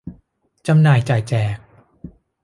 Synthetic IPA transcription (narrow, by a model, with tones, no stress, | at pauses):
t͡ɕa˧mnaː˨˩jt͡ɕaː˨˩jt͡ɕɛː˨˩k̚